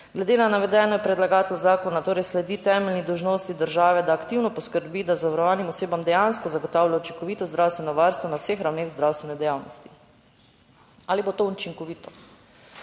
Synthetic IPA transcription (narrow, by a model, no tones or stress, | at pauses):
ɡlɛd̪eːnanaʋɛd̪ɛːnɔpɾɛd̪laɡaːt̪lɔzaːkɔnat̪oːɾɛjslɛd̪iːt̪ɛːmɛlnid̪ɔwʒnoːst̪id̪əɾʒaːʋɛd̪aːkt̪iwnɔpɔskəɾbiːd̪azaʋaɾɔʋaːnimɔseːbamd̪ɛjanskɔzaɡɔt̪aːwljaut͡ʃiŋkɔʋiːt̪ɔzd̪ɾawst̪ʋɛnɔʋaɾst̪ʋɔnawsexɾawnexwzd̪ɾawst̪ʋɛnɛd̪ɛjaːwnɔst̪i̥ | aːlibot̪out͡ʃiŋkɔʋiːt̪ɔ